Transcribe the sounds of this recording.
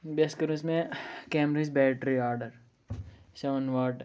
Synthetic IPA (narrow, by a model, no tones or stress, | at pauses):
beskɐɾũsmẽkeːmɾɐs̬bɛːʈɾiaːɾɖəɾ | sɐʋɐnʋaːʈ